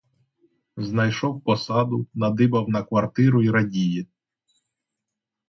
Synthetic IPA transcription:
znɐjʃɔwpɔsɑd̪ʊnɐd̪ɪbɐwnɐkʋɐrt̪ɪɾʊiɾɐdʲiji

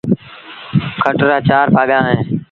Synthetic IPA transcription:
kʰəʈɾaːt͡ʃaːɾpaːɠãːɦẽː

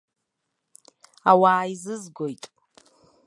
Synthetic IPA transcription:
awaːjzɨzɡʷojtʼ

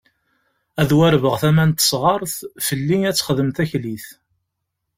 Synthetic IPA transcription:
æðwæɾvəʁθæmænt̪ə̥sˤʁɑɾˤθfəlːiæt͡sːχəðəmθæçliθ

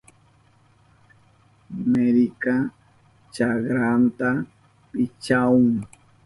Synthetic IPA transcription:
meɾika | t͡ʃaɡɾant̪a | pɪt͡ʃaʊŋ

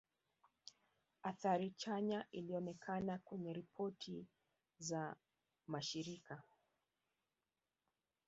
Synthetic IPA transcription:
aθaɾit͡ʃaɲaʔiliɔnɛkʰanakwɛɲɛɾipʰɔtʰi | za | maʃiɾika

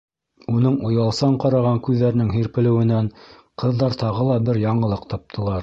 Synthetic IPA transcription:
unɤɴŏjɑlˠsɑɴqɑɾɑʁɑŋkʉðːæɾɘ̆nɘŋɦiɾpɘ̆lɘ̆wɘ̆næɴ | qɤ̆ðːɑɾt̪ɑʁɤ̆lˠɑbɘɾjɑɴɤ̆lˠɤqt̪ʰɑp̚t̪ʰɤ̆lˠɑɾ

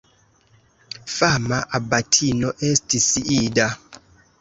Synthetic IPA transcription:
famaʔabatʰinɔʔɛstʰisiʔida

